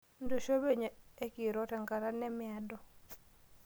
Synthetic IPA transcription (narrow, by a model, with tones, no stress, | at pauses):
ndo˨ʃo˦be˦ɲ˨e˦ki˨ɾɔ˨˦tɛ˨ŋɡa˨ɾa˦nɛ˦mɪa˦dɔ˦˨